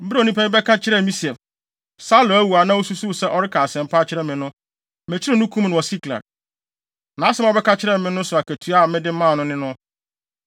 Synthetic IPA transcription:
m̩˦bɾa˦˨nĩ˦pʰɛ˦mɪ̃˦bɛ˦kʰa˦t͡ɕʰɪ˦ɾɛ˦˨mĩ˦si˨ɛ˨ | sa˦lʊ˨æ˦wu˨a˨nã˦wo˦su˦su˦˨sɛ˦ʔɔ˦ɾɪ˦kʰa˨sɛ̃˨m˨pʰa˦t͡ɕʰɪ˦ɾɛ˦mɪ̃˨nʊ̃˦ | mɛ̃˨t͡ɕʰɪ˦ɾɛ˦˨nʊ̃˦kʰũ˦m˦nʊ̃˨wɔ˨si˦kla̰˨ | nã˨˦sɛ˦m˦ɔ˨˦bɛ˦kʰa˦t͡ɕʰɪ˦ɾɛ˦mɪ̃˦nʊ̃˦sʊ˨a˨kæ˨tʰu˨˦a˦˨mɪ̃˦dɪ˦mãː˦˨nʊ̃˦nɪ̃˦nʊ̃˦

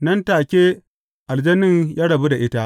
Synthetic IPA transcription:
nɐ˦ntaː˨kʲeː˦ | ʔa˨ld͡ʒɐ˦nɪ˦ŋjaː˦ɽɐ˨bu˦da˨ʔɪ˦ta˦ʔ

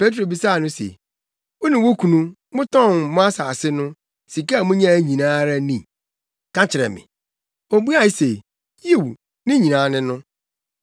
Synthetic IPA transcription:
pe˦tɾo˨bi˨sa˦˨nʊ̃˦sḛ˨ | o˦nĩ˨wo˦kʰu˨nũ˦ | mʊ̃˦tʰɔ̃˦˨nmʊ̃˦a˦sa˨sɪ˦nʊ̃˦ | si˨ka˦˨mʊ̃˦ɲã˦˨ɲĩ˨nãː˦ɾa˦nĩ˨ | kã˦t͡ɕʰɪ˨ɾɛ̰˨mɪ̰̃˨ | o˨˦bu˦a˦˨˦se˨ | ji˦˨w | nɪ̃˦ɲĩ˨nãː˨˦nɪ̃˦nʊ̃˦

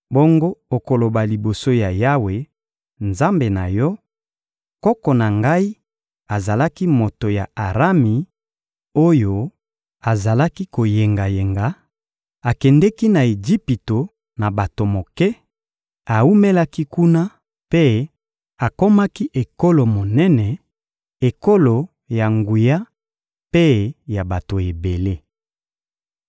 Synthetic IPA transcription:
bo˦ŋɡo˦o˨ko˨lo˨ba˨li˨bo˨so˦ja˨ja˦we˨ | nza˦mbe˨na˨jɔ˦ | kɔ˦kɔ˨na˨ŋɡa˦i˦ | a˨za˨la˦ki˦mo˨to˨ja˨a˨ʁa˦mi˨ | o˦jo˦ | a˨za˨la˦ki˦ko˨je˨ŋɡa˨je˨ŋɡa˨ | a˨kɛ˨ndɛ˦ki˦na˨e˨d͡ʒi˦pi˨to˨ | na˨ba˨to˨mo˨kɛ˦ | a˨u˦me˦la˦ki˦ku˦na˦ | pe˦ | a˨ko˦ma˦ki˦ʔe˨ko˦lo˨mo˨nɛ˦nɛ˨ | e˨ko˦lo˨ | ja˨ŋɡu˨ja˦ | pe˦ja˨ba˨to˨e˨be˨le˦

